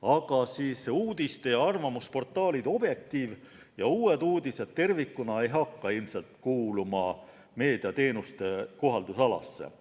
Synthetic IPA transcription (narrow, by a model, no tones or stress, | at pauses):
ɑɡ̥ɑsiːsuːd̪̥ist̪e̞jɑɑrvɑmuspo̞rt̪ːˑɑːlid̪o̞b̥je̞k̚t̪iːv | jɑuːe̞d̪uːd̪ise̞d̪̥̚t̪e̞rvikːunɑejɦɑkːɑilmse̞lt̪kuːlumɑ | me̞ːd̪̥iɑt̪e̞ːnust̪e̞ko̞ɦɑld̪usɑlɑ̰sːḛ